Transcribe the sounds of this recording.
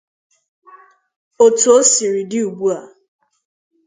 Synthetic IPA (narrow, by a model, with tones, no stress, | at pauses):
o˦˨tu˨o˦si˨ɾi˨dɪ˦u˨bu˦a˨